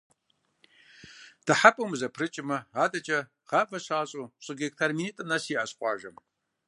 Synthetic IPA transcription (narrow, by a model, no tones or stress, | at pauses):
d̥aħapʼɐwmzɐpʰrɨt͡ʃʼɪmɐaːdʼɐt͡ʃʼɐ | ʁaːvɐɕaːɕʼuɕʼɨɡʲektʰarminitʼɐnasiːʔaɕqʷʼɑ̰ːʒɐm